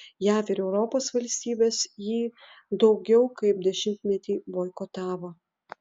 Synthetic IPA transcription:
jæːfɪɾɛʊɾɔpoːsʋɐlʲsʲt̪ʲiːbʲeːsjiː | d̪ɒʊɡʲɛʊkɐɪp̚d̪ʲɛʃʲɪmʲt̪ʲmʲɛt̪ʲiːʋoːɪkɔt̪ɑːʋoː

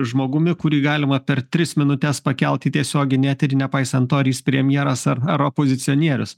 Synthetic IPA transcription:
ʒmoːɡʊmʲɪkʊɾʲiːɡɑːlʲɪmɐpʲɛɾt̪ʲɾʲɪsmʲɪnʊt̪ʲɛspɐkʲɛlˠʲt̪ʲiːt̪ʲiɛsʲoːɡʲɪnʲæt̪ʲɪɾnʲɛpɐɪsɐnt̪oːɾʲiːspʲɾʲɛmʲjɛɾɐsɐɾɐɾopoːzʲɪt̪sʲɪɔnʲiɛɾʲʊs

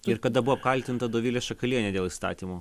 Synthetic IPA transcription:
ɪɾkɐd̪ɐbʊʋoːp̚kɐlʲt̪ʲɪnt̪ɐd̪oːʋʲɪlʲeːsʃɐkɐlʲiɛnʲɛd̪ʲeːlˠist̪ɑ̰ːt̪ʲiːmo

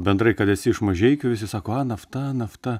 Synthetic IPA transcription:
bʲɛnd̪ɾɐɪkɐt̪ɛsʲɪɪʃmɐʒʲɛɪkʲʊʋʲɪsʲɪsɑːkoːɑnɐft̪ɐnɐft̪ɐ

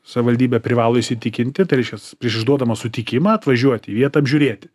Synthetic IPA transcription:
sɐʋʲɪʋɐlʲd̪ʲiːbʲɛpʲɾʲɪʋɑːlˠoɪʃʲsʲɪt̪ʲɪkʲɪnʲt̪ʲɪt̪ɐɪɾʲɛɪʃʲkʲɛpʲɾʲiɛʃɪʒd̪uɔd̪ɐmɐsʊt̪ʲɪkʲɪmɑːɐt̪ʋɐʒʲuɔt̪ʲiːʋʲiɛt̪ɐɐbʲʒʲuːɾʲeːt̪ʲɪ

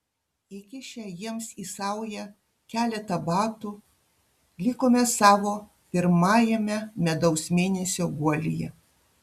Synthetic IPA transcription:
ɪkʲɪʃʲɛjiɛmsisɑʊjɛ | kʲæːlʲɛt̪ɐbɑːt̪u | lʲɪkoːmʲɛsɑːʋoː | pʲɪɾmɑːjɛmʲɛmʲɛd̪ɐʊsmʲeːnʲɛsʲoːɡuɔlʲɪjɛ̰

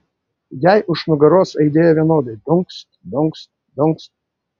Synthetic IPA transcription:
jæɪʔʊʃnʊɡɐɾoːsɐɪd̪ʲeːjɛʋʲiɛnoːd̪ɐɪd̪ʊŋkst̪d̪ʊŋks | d̪ʊŋkst̪

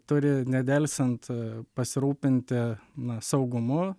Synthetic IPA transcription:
t̪ʊɾʲɪnʲɛd̪ʲɛlʲsʲɛnt̪pɐsʲɪɾuːpʲɪnʲt̪ʲɪnɐsɒʊɡʊmʊ

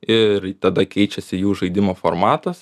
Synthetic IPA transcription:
ɪɾt̪ɐd̪ɐkʲɛɪt͡ʃʲɛsʲɪjuːʒɐɪd̪ʲɪmoːfo̰ɾmɑːt̪ɐs

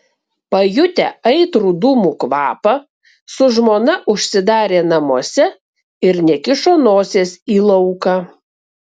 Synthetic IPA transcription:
pɐjʊt̪ʲɛ̰ɐɪt̪ɾuːd̪uːmuːkʋɑ̰ːpɐ | sʊʒmoːnɐʔʊʃʲsʲɪd̪ɑːɾʲeːnɐmoɔsʲɛ | ɪɾnʲɛkʲɪʃoːnoːsʲeːsiːlˠɐʊkɑː

